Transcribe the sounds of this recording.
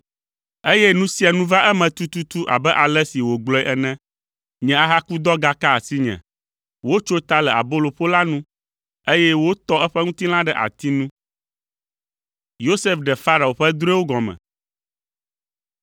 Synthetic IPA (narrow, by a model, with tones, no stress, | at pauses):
e˦jɛ˦nũ˦si˦a˨nũ˦va˦ʔɛ˦mɛ̃˨t̪u˦t̪u˦t̪u˦ʔa̰˨bɛ˦ʔa˨lɛ˦si˨wo˨ɡ͡blɔ˦ɛ˦ʔɛ˨nɛ̃˦ | ɲɛ̃˨a˦ɦa˦ku˦d̪ɔ˦ɡa˦ka˦a˨si˦ɲɛ̰̃˨ | wo˦t͡ʃo˦t̪a˦lɛ˨a̰˨bo˦lo˨ɸo˦la˦nũ˦ | e˦jɛ˦wo˦t̪ɔ˦ɛ˦ɸɛ˦ŋũ˦t̪i˦l̃ã˦ɖɛ˦ʔa̰˨t̪i˦nũ˦ | jo˦se˦fɖɛ˨fa˦ɾa˨o˨ɸɛ˦d̪ɾu˦e˦wo˦ɡɔ̃˨mɛ̰̃˨